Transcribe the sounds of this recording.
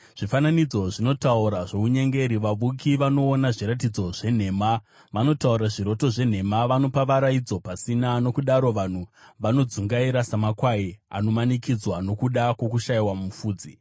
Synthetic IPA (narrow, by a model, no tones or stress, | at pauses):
ʐ̥ifananid͡zo̞ʐino̞tauɾaʐo̞uɲe̞ŋɡe̞ɾiʋaɓukʰiʋano̞ːnaʐiɾat̬id͡zo̞ʐe̞n̤e̞ːma | ʋano̞tauɾaʐiɾo̞to̞ʐe̞n̤e̞maʋano̞paʋaɾaid͡zo̞pasinano̞kuɗaɾo̞ʋan̤uʋano̞d͡zuŋɡaiɾasamakwaia̰no̞manikid͡zwano̞kuɗakwo̞k̬uʃaiwammufuːd͡zi